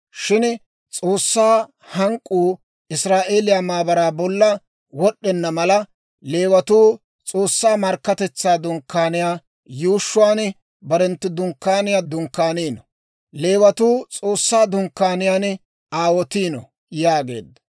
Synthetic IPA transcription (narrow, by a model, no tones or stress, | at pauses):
ʃɪn | t͡sʼo̞ːsːaː | hɐŋkʼːuː | ɪsɾaːʔe̞ːlɪjaːmaːbɐɾaːbɔlːɐ | wɔɗːɛnːɐmɐlɐ | le̞ːwɐt̪uː | t͡sʼoːsːaːmɐɾkːɐt̪ɛt͡sːaːd̪ʊŋkːaːnɪjaː | juːʃːʊwaːn | bɐɾɛnt̪ːɪd̪ʊŋkːaːnɪjad̪ʊŋkːaːniːnɔ | le̞ːwɐt̪uːt͡sʼo̞ːsːaːd̪ʊŋkːaːnɪjaːn | aːwɔt̪iːnɔ̰ | jaːɡe̞̰ːd̪ːɐ̥